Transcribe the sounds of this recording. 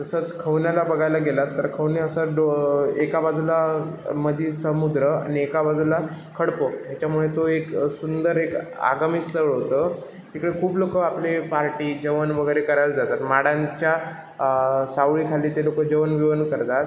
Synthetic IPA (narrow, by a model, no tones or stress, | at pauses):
t̪əsət͡skʰəʋnjalabəɡʱajlaɡelat̪ːəɾkʰəʋneəsəɖoekabad͡zʱulaməd̪ʱiːsəmud̪ɾəa̰niekabad͡zʱula | kʰəɽpoɦjat͡ɕjamuɭet̪oeksund̪əɾeka̰ɡamiːst̪əɭɦot̪ə | t̪ikəɭekʰuːblokəaplepaɾʈiːd͡ʑəʋənʋəɡəjɾekəɾajld͡zat̪at̪maɽãɲt͡ɕja | saʋɭiːkʰaliːt̪elokəd͡ʑəʋənʋiʋənkəɾt̪at̪̚